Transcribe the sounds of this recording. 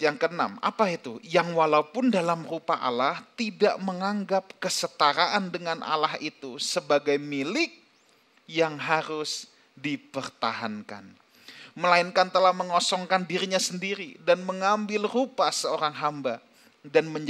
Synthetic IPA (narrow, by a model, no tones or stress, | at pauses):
jaŋkəna̰ma̰pait̪ujaŋwalaupʊndalamrupaa̰laht̪idaʔməŋaŋɡap̚kəsət̪aɾaʔandəŋanʔa̰laɦit̪usəbaɡajmilɪk̚ | jaŋɦaɾʊs | dipərt̪a̰ɦanka̰n | məlaɪnkant̪əlahməŋɔsɔŋkandiɾiɲasəndiɾidanməŋambɪlrupasəoɾaŋɦamba | danməɲ